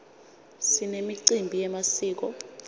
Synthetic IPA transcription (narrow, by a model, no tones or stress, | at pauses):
sinemiǀimbʱijɛmasiːk̬ɔ